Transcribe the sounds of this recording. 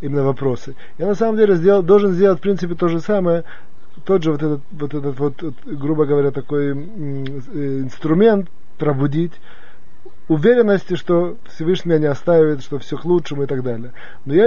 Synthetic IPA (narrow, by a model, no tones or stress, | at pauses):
imʲɪnːəvɐpɾo̞sɨ | janɐsaməmdʲelʲɪzʲdʲelˠd̪o̞lˠʐɨnzʲdʲelˠət̪ʲfpɾʲint̪sɨpʲɪt̪o̞ʐɨsaməjə | t̪o̞ʐɨvot̪ɛt̪ət̪vot̪ɛt̪ət̪vo̞t̪t̪ | ɡɾubəɡəvɐɾʲat̪ɐko̞j | ɪnst̪ɾʊmʲe̞nt̪ | pɾəbʊdʲitʲ | ʊvʲeɾʲɪnːəsʲtʲɪʂt̪o | fsʲɪvɨʂnʲɪmʲɪjʲanʲɪɐst̪aɪvəɪt̪ʂt̪ofsʲoklˠutʂəmʊɪt̪aɡd̪alʲɪjə | noja